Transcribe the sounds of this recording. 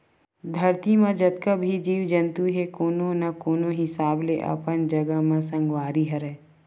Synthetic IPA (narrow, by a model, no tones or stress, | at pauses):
d̪ʱɐɾt̪imãd͡ʒɐt̪kəbʱid͡ʒiːwd͡ʒə̃nt̪uɦekoːnõnakoːnõɦɪsaːbleʔɐ̰pənd͡ʒɐɡəɦmãsɐ̃ŋɡwaːɾiɦəɾɛː